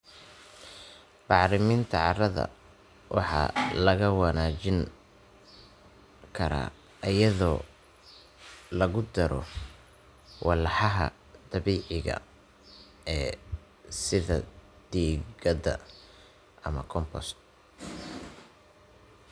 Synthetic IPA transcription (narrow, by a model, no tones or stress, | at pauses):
b̥ɑħɾɪmint̪ʰɐʕɑrɐðɐ̰ | wʔɑħɑ̰lɐɣɐwɑnaːt͡ʃɪŋ | kʰɐɾa̰ː | ɐjɐðɔː | lɐɣʊd̪ɐɾɔ̰ | wɑlɑħɑɦɐ̰ | d̪̥ɐβiːʕɪɣɐ̰ | ɛː | sɪðɐ̰ | d̪̥iːɣɐd̪ɐ | ʔɐmɐkʰɔmpʰɔ̰st̪